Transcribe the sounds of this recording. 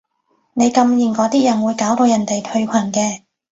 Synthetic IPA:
ne˨˧jkɐ˧mjiː˨˩nkɔː˨˥t̪iː˥jɐ˨˩nwuː˨˧jkaː˨˥wt̪o˧wjɐ˨˩nt̪e˨jt̪ʰɵ˧ɥkʷʰɐ˨˩nkɛː˧

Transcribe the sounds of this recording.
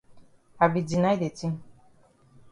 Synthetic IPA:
a˨bi˨di˨na˦jde˨tĩ˦

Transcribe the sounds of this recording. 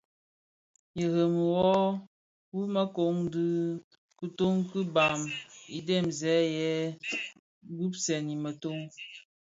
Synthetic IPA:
jə˨ɣə˨m˨wɔ˦ | wu˦mə˦ko˨˦ŋdɨ˦ | kɨ˦to˦ŋkɨ˦ba˨mi˨de˦˨mzɛ˨˦jɛ˨˦ | ɡu˦psɛ˨ni˨mə˨to˦ŋ

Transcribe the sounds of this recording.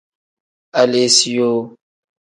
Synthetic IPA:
a˨le˨si˦jo˦

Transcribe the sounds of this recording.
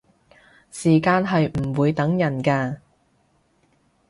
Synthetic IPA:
siː˨˩kaː˧nɦɐ˨jm̩˨˩wuː˨˧jt̪ɐ˨˥ŋjɐ˨˩nkaː˧

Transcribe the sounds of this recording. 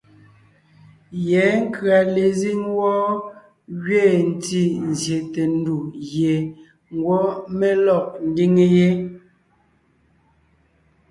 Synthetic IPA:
jɛː˨˦ŋ̩˦kɰa˨le˨zi˦ŋwɔː˦ | ɣɥeː˦˨n̩˨ti˦n̩˨zje˨te˨n˦du˨ɣje˨ | ŋ̩˦ɡwɔ˦me˦lɔ˦˨ʔ̚n̩˦di˦ŋe˦je˦

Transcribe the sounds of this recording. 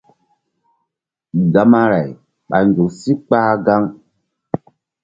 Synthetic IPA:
ɡa˨ma˦ɾa˨j | ɓa˨nd͡ʒo˨ksi˦k͡paː˦ɡa˦ŋ

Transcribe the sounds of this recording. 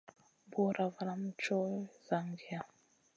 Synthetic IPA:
bo˦ɾa˨va˨la˦m̩˦t͡ʃɔ˦za˨ŋɡi˨a˨

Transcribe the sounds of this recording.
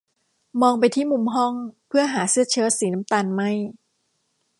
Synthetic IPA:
mɔː˧ŋp̬a˧jt̪ʰiː˥˩mu˧mɦɔ˥˩ŋpʰɯ˥˩ɐɦaː˩˦sɯ˥˩ɐt͡ɕʰɯː˦˥siː˩˦na˦˥mt̪aː˧nma˥˩j

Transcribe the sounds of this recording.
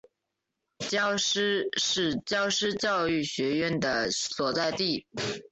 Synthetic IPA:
t͡ɕjɑ˥ʊʂɻ̩˥ʂɻ̩˥˧t͡ɕjɑ˥ʊʂɻ̩˥t͡ɕjɑ˥˧ʊy˥˩ɕɥɛ˧˥ɥɛ˥˩nd̪ə˨swɔ˨˩t͡sa˥˧ɪt̪i˥˩

